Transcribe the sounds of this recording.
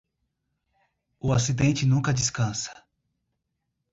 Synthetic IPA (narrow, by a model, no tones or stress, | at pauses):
ʊasid̪ẽnt͡ʃɪnũkɐd͡ʒiskɐ̃sɐ̥